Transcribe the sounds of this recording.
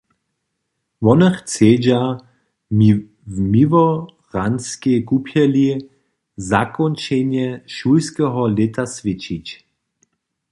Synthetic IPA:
vɔnɛxt͡seːd͡ʑa | vmivɔ | ʁanskekupʰjɛli | zakɔnt͡ʃɛnjɛʃujskɛɦɔlɪt̪asʋɪt͡ʃit͡ɕ

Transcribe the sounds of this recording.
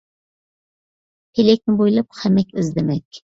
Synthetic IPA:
t̪ʰelɛk̚ʲnɪbojlˠɑp̚χæmɛkʲɪzd̪ɪmɛkʲ

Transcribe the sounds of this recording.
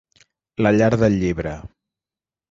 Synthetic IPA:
ləʎaɾðəlʎiβɾə

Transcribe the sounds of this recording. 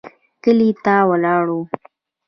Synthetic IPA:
kəlit̪awalɑːɽu

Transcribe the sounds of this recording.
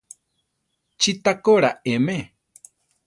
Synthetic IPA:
t͡ʃit̪akoɾaemẽ

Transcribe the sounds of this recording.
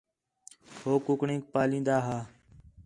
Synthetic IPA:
hoːkʊkɳẽːk̚paːlĩːnd̪aːɦaː

